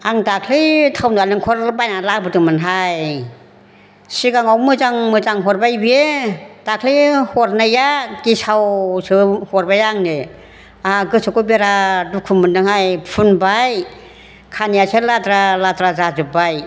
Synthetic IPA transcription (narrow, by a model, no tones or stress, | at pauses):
aŋdakʰlitʰawnalɯŋkʰɔɾbajnalabɯtɯŋmɯnɦaj | siɡaŋawmɯzaŋmɯzaŋɦɔɾbajbied̥akʰlihɔɾnajaɡ̥isawsɯhɔɾbajaŋne | aɡɯsʰɯkubeɾadukʰumɯndɯŋhajpʰunbaj | kʰanijaseladɾaladɾazazɯbaj